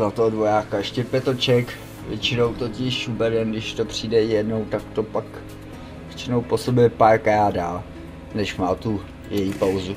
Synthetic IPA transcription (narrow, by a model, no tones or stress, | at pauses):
zat̪oɦodvo̞jaːkaɛʃcɛpjɛt̪ot͡ʃɛk | vjɛt͡ʃɪno̞wt̪ocɪʃubɛdɛnɡdɪʃt̪o̞pr̝̥iːdɛjɛdno̞wt̪akt̪o̞pak | vjɛt͡ʃɪnowposobjɛpaɾkajaːda | nɛʃmaːt̪u | jɛjipawzu